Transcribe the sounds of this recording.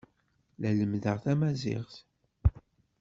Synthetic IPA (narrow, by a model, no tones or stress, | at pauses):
læləmðəʁθæmæzɪ̰ʁθ